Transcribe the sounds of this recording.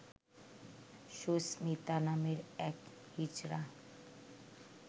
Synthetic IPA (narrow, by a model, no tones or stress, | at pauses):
ʃosmit̪anameɾɛk | hid͡ʑɾa